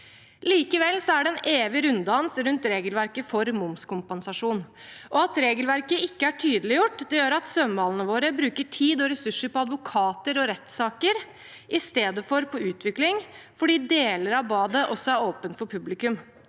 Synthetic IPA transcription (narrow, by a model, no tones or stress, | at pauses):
liːkəʋɛlːsɔæɖɛɛneːʋɪɾʉnd̪ɑnsɾʉnt̪ɾeːɡəlʋæɾkəfɔɾmʊmskʊmpɛnsɑʂuːn | ʔɔɑt̪ɾeːɡəlʋæɾkəɪkːəæʈʰyːd̪əlɪjʊʈːd̪ɛjøːɾɑt̪sœmbɑːlənəʋoːɾəbɾʉːkəʈʰiːd̪ɔɾɛsʉʂːəpɔɑd̪ʋʊkʰɑːt̪əɾɔɾɛt̪sɑːkəɾ | ʔɪst̪eːd̪əfɔɾpʰɔʉːt̪ʰʋɪklɪŋfɔɖiːd̪eːləɾɑʋbɑːd̪əʔɔsɔæɾoːpənt̪fɔɾpʰʉblɪkʉm